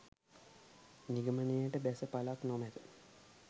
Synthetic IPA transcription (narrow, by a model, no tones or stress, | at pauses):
niɡəmənejəʈəbæsəpalaknomæd̪ə